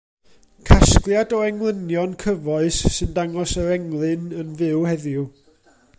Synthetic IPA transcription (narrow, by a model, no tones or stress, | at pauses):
kʰasklˠjadɔɛŋlˠənjɔnkʰəvɔɨsːɨndaŋɔsəɾɛŋlˠɨnənvɪwhɛðju